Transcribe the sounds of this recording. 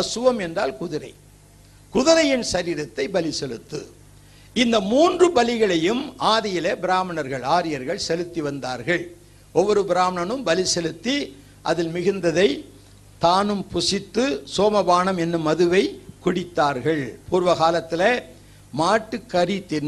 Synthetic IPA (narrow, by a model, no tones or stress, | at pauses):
ɐsɯʋɐmɛndraːlkʊðɪɾɐɪ | kʊðɪɾɐjɪnsɐɾiːɾɐt̪ːɐɪbɐlɪsɛlɯt̪ːɯ̰ | ɪnd̪ɐmuːndrɯbɐlɪɣɐɭɐjɯmaːðɪjɪlɐbɪɾaːmɐɳɐɾɣɐɭaːɾɪjɐɾɣɐɭsɛlɯt̪ːiʋɐnd̪aːɾɣɐɭ | ʔɔʋːɔɾɯbɪɾaːmɐɳɐnɯmbɐlɪsɛlɯt̪ːi | ʔɐ̰ðɪlmɪɣɯnd̪ɐðɐɪ | t̪aːnɯmpʊsɪt̪ːɯsoːmɐbaːnɐmɛnːɯmːɐðɯʋɐɪkʊɽɪt̪ːaːɾɣɐɭpuːɾʋɐɣaːlɐt̪ːɪlɐ | maːʈːɯkːɐɾit̪ːɪn